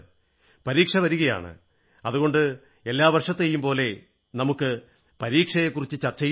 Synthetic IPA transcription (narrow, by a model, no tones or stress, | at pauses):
pɐɾiːkʂɐʋɐɾuɣɐja̰ːɳɨ̰ | ɐðuɣo̞ɳɖɨ | e̞lːaːʋɐrʂɐt̪ːejːumpo̞ːle̞ | nɐmukːɨ | pɐɾiːkʂɐjekːurit͡ɕːɨt͡ɕɐrt͡ɕːɐj